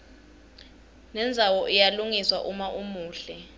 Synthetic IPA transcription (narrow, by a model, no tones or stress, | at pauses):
nɛnd͡zʱawɔʔijaluŋiswa̰ʔumaʔumuːɬɛ